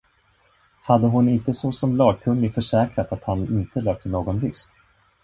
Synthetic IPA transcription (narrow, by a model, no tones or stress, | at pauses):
had̪ːəɦʊnɪnt̪əsɔsɔmlɑːɡ̚kʰɵnːɪfœʂɛːkɾat̪at̪hanɪnt̪əløːk̚t̪ənoːɡɔnvɪsk